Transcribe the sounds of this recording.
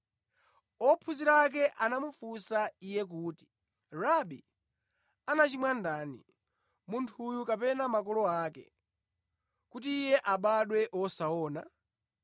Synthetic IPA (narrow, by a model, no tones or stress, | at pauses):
ɔpʰuziɾak̬ɛʔanamufusaijɛk̬uːti̥ | ɾaɓi | anat͡ʃimwandaːnḭ | muntʰujukapɛnamakɔlɔaːkɛ̰ | kutiːjɛʔaɓaɗwɛʔwɔsaɔːna